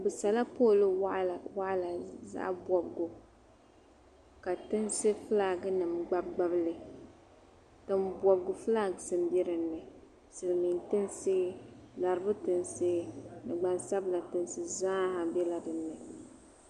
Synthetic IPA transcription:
bɨ˨sa˨la˦po˦˨lɨ˦˨wa˦ʔla˨za̰˦ʔbɔ˨bɡʊ˨ | ka˨tɨ˦nsɨ˦fɨ˦la˨ɡɨ˦nɨ˨mɡ͡ba˦b̚ɡ͡ba˦blɨ˨ | tɨ˦mbɔ˨bɡʊ˨fɨ˦la˦˨ɡɨ˨sɨ˨mbɛ˦ɾɨ˨nːɨ˨ | sɨ˨lɨ˨mi˨ntɨ˦nsɨ˦la˨ɾɨ˦bʊ˦tɨ˨nsɨ˦nɨ˨ɡ͡ba˨nsa˦bla˨tɨ˦nsɨ˦zaː˦ha˨bɛ˦la˨dɨ˨nːɨ˨

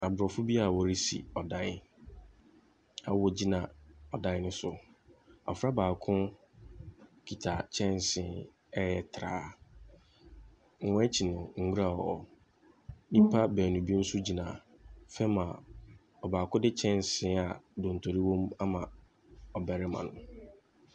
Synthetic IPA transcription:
a˨bʊ˨ɾɔ˨fʊ˦bi˦a˨wɔ˨ɾi˦sḭ˨ɔ˨dã˦ | a̰˨wɔ˦d͡ʑi˦nã˨ɔ˨dã˦nʊ̃˦sʊ˦ | ɔ̰˨fɾa˦baː˨kʰʊ̃˦ | kʰi˨tʰa˨t͡ɕʰɛ̃˦n˨sɪ̃˨˦ | ɛ˦jɛ˨tʰɾa̰ː˨˦ | ŋ̩˦wɔ̃˦ɛ˦t͡ɕʰi˨nʊ̃˨ŋ̩˨ɡu˦ɾa˨ɔ̰˨ | nĩ˦pʰa˦bɛ˨nũ˨bi˦n̩˦sʊ˦d͡ʑi˨nã˨ | fɛ˦mã˨ | ɔ˨baː˨kʰʊ̃˦dɪ˦t͡ɕʰɛ̃˦n˨sɪ̃˨˦a˨dõ˨n̩˨tʰo˨ɾi˦wɔ̃˦ma˦mã˨ | ɔ˨bɛ˨ɾɪ˦mã̰˨nʊ̃˨

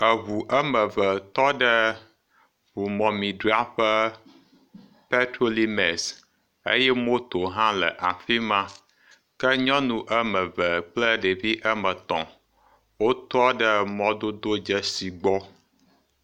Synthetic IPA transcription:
ə˨βu˨ʔə˦mə˨və˨t̪ɔ˦ɖə˦ | βu˨mɔ̃˨mĩ˨ɖu˦a˦ɸə˦ | pe˦tɾo˦li˦me˨s | ḛ˦jɛ˦mo˦t̪o˨ɦã˦lə˨ʔa˨fi˦mã˦ | kə˦ɲɔ̃˦nũ˨ʔə˦mə˨və˨k͡plə˦ɖə˨vi˦ʔə˦mə˨t̪ɔ̰̃˨ | wo˦t̪ɔ˦ɖə˦mɔ̃˦d̪o˦d̪o˦d͡ʒə˦si˨ɡ͡bɔ˦

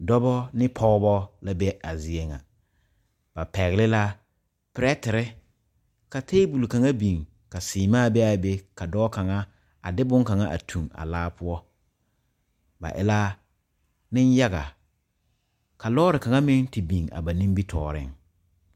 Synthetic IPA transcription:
dɔ˦bɔ˦nɪ˦pʰɔ˦bɔ˦la˦bɛ˦a˨zɪ˨e˦ŋa̰˨ | ba˨pɛ˨ɣlɪ˦la˦ | pɪ˨ɾɛ˦tɪ˨ɾɪ˦ | ka˨te˦bu˨lka˨ŋa˦bĩ˨ŋ | ka˨sɪː˨maː˦˨bɛ˦a˨be˦ka˨dɔː˦ka˨ŋa˦ | a̰˨dɪ˦bʊ̃˦ŋka˨ŋa˦ʔa̰˨tʰu˨ŋa̰˨laː˦pʊ˦ɔ˦ | ba̰˨ʔɪ̰˦la˦ | nɪ˦n˦ja˦ɡa̰˨ | ka˨lɔː˦ɾɪ˨ka˨ŋa˦mɪ˦ŋti˨bi˨ŋa̰˨ba˨nĩ˦mbi˦tʰɔː˨ɾɪ̰˦ŋ

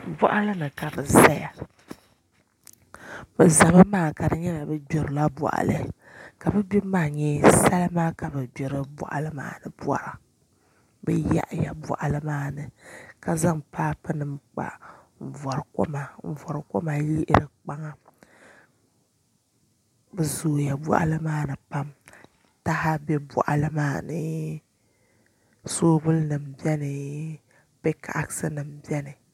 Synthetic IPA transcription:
bɔ̰˦ʔa˦lɨ˦nɨ˨ka˨bɨ˨za˦ja˨ | bɨ˨za˨bɨ˦maː˦˨ka˨ɾɨ˨ɲɛ˦la˨bɛ˦bo˨ɾɨ˨la˦bɔ̰˨ʔa̰˨lɨ̰˦˨ | ka˨bɛ˦bi˦maː˦˨ɲɛ˦sa˦lɨ˦maː˦ka˨bɨ˨bɛ˨ɾɨ˦bɔ̰˨ʔa̰˨lɨ˦ma̰ː˦nɨ˨bwa̰˨ɾa˨ | bɛ˦ja̰˦ʔja̰˨bɔ̰˨ʔa˨lɨ˦maː˦˨nɨ˨ka˦za˦ŋpaː˦pɨ˦nɨ˨mk͡pa̰˨ | ɱ̩˨vɔ˨ɾko̰˦ma˨ɱ̩˨vɔ˨ɾko˦ma˨ji˦ʔɪ˦ɾɨ˨k͡pa˦ŋa˦ | bɨ˨zoː˨ja˨bɔ̰˦ʔa̰˦lɨ˦maː˦nɨ˨pa˦m | ta˦ha˦bɛ˦bɔ̰˨ʔa̰˨lɨ˦maː˦˨nɨ˦ | soː˦bʊ˦lnɨ˨m̩bɛ˦nɨ˨ | pɛ˦kʰa˨ʔa˦ksɨ˦nɨ˨mbi˦ɛ˦nɨ˨

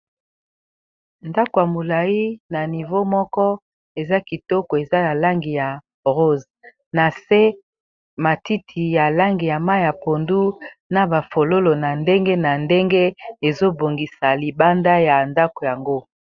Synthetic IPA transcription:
nda˦ko˨ja˨mo˨la˨ji˦na˨ni˨vo˦mɔ˦kɔ˦ | e˨za˦ki˨tɔ˦ko˨e˨za˦na˨la˦ŋɡi˨ja˨ | ʁo˦z | na˨se˦ | ma˨ti˦tʰi˨ja˨la˦ŋɡi˨ja˨ma˦ja˨po˨ndu˦na˨ba˨fo˨lo˦lo˨na˨nde˦ŋɡe˦na˨nde˦ŋɡe˦e˨zo˦bo˨ŋɡi˨sa˨li˨ba˦nda˦ja˨nda˦ko˨ja˨ŋɡo˦

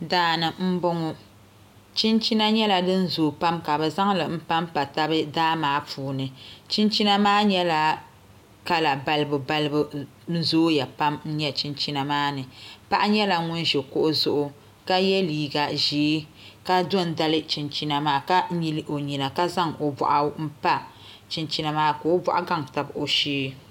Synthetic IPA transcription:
daː˨˦nɨ˨m̩˦bʊ˦ŋʊ˦ | t͡ʃi˦nt͡ʃi˦na˦ɲɛ˦la˨dɨ˦n̩˦zoː˨pa˦mka˨bɛ˨za˦ŋlɨ˨m̩˦pa˦mpa˨ta˦bɨ˦daː˦maː˨˦puː˨˦nɨ˨t͡ʃi˦nt͡ʃi˦na˦maː˦ɲɛ˦la˨ | ka˦la˨ba˦lɨ˦bɨ˨ba˦lɨ˦bɨ˨ | n̩˦zoː˦ja˨pa˦mn̩˦ɲɛ˦t͡ʃi˦nt͡ʃi˦na˨maː˦nɨ˨pa˦ʔa˦ɲɛ˦la˨ŋʊ˦n˦ʒɛ˨kʊ˦ʔʊ˦zʊ˦ʔʊ˦ | ka˦jɛ˦liː˨ɡa˨ʒeː˨˦ | ka˦dɔ˦n˨da˦lɨ˦t͡ʃi˨nt͡ʃi˦na˨maː˦ka˦mi˦lɨ˦ʔo˨ɲi˨na˨ka˦za˦ŋo˨bɔ̰˨ʔa˨m̩˦pa˦ | t͡ʃi˦nt͡ʃi˦na˨˦maː˦ko˨o˦bɔ̰˦ʔa˦ɡa˦ŋta˨bo˨ʃeː˦

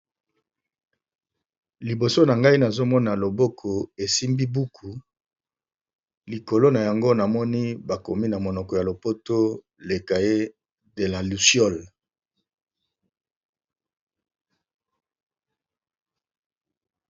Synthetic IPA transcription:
li˨bo˨so˦na˨ŋɡa˦i˦na˨zo˦mɔ˦na˨lo˨bɔ˦kʰɔ˨e˨si˦mbi˦bu˦kʰu˨ | li˨ko˨lo˦na˨ja˨ŋɡo˦na˨mɔ˦ni˦ba˨ko˨mi˦na˨mo˨nɔ˨kɔ˨ja˨lo˨po˦to˦ | le˨ka˨je˦ | de˨la˨lu˨sjɔ˦˨l

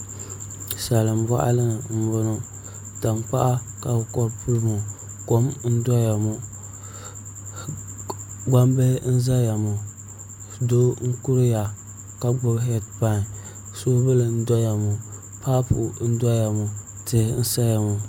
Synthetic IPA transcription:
sa˨lɨ˨m˨ba̰˦ʔa̰˦lɨ˦nɨ˨m̩˦bʊ˦no˦ | ta˨mpa̰˦ʔa˦ | ka˨bkɔ˦ɾpu˦lmu˨ | ko˦mn̩˦dɔ˦ja˨mu˨ | ɡ͡ba˦mbe˦n̩˦za˦ja˨mu˨ | do˦ŋ̩˦ku˦ɾja˨ | ka˦ɡ͡bʊ˦bɦɛ˦t̚pa˦n˨ | so˦bɨ˦lɨ˨n̩˦dɔ˦ja˨mu˨ | pa˦pṵ˨ʔn̩˦da˦ja˨mu˨ | tɪ˦n̩˦sa˦ja˨mu˨

